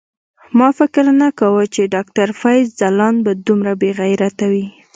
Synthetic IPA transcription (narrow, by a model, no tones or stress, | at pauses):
mɑfɪkɾnakawət͡ʃeɖɑk̚t̪aɾfajzzalɑnbad̪umɾabeɣajɾat̪awi